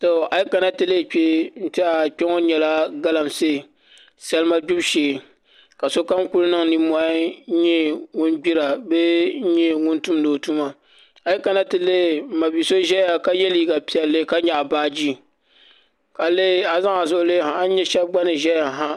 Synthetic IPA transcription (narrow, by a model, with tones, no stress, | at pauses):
to˨a˨ji˦ka˨na˦tɨ˨le˦˨k͡pe˦n̩˦tɪ˦a˨k͡pʲe˦ŋo˦ɲɛ˨la˦ɡa˦la˨mseː˦˨ | sɛ˦lma˦ɡ͡bʊ˦bʃeː˨ | ka˨so˦ka˦ŋku˦lnɨ˦ŋni˨mɔ˦ɲɛ˦ŋʊ˦nɡ͡bi˦ɾa˨be˦ɲɛ˦ŋʊ˦ntu˦mdoː˨tu˦ma˨ | a˨ji˦ka˨na˦tɨ˨le˦˨ma˨bi˨so˦ʒɛ˦ja˨ka˦jɛ˦lji˦ɡa˨pi˦ɛ˨lːɨ˦ka˦ɲɛ˨ʔa˨baː˦d͡ʒi˦ | ka˨le˦a˨za˦ŋa˨zʊ˦ʔʊ˦le˦ha˨a˦ɲɛ˦ʃɛ˦bɡ͡ba˦nɨ˨ʒɛ˦ja˨ɦa˦